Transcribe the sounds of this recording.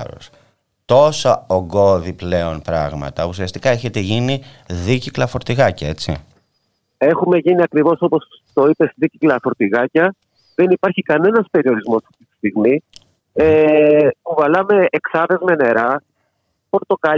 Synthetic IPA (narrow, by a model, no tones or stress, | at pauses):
ɾo̰s | t̪o̞sɐoɡo̞ðiple̞o̞npɾɐ̰ɣmɐ̰t̪ɐusiɐst̪ikɐeçet̪e̞ʝini | ðiciklɐfo̞ɾt̪iɣɐcɐe̞t͡sḭ | e̞xume̞ʝiniɐkɾivo̞so̞po̞s | t̪o̞ipe̞sðiciklɐfo̞ɾt̪iɣɐcɐ | ðe̞nipɐɾçikɐne̞nɐspe̞ɾio̞ɾizmo̞sɐft̪it̪i̥st̪iɣmi | epuvɐlɐme̞ːksɐðe̞zmene̞ɾɐ | po̞ɾt̪o̞kɐ